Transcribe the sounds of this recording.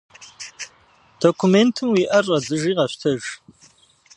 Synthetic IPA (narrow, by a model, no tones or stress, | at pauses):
d̥okʷʰumentʰɨmwiʔɐrːɐzɨʒiːʁɐɕʷtʰɐʒ